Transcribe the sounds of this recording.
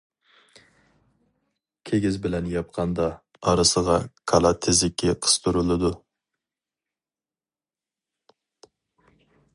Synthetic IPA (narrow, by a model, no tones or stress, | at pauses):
kʲʰeɡʲɪzbɪlɛnjɑp̚qʰɑnd̪ɑː | ɾɨsəʁɑkʰɑlˠɑt̪ʰɪzɪkʲʰːɪqʰə̥st̪ʰuɾylˠɨd̪u